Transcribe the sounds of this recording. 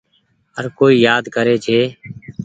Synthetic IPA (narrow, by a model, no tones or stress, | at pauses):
əɾkoːiːjaːd̪kəɾeːt͡ʃʰeː